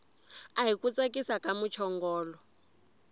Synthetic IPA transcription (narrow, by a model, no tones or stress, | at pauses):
aɦikut͡sʼekʼisakʼamut͡ʃʰɔŋɡɔːlɔ